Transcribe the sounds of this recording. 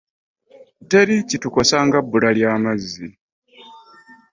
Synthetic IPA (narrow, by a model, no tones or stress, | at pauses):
teɾicituko̞saŋɡabːuɾaljaːmazːi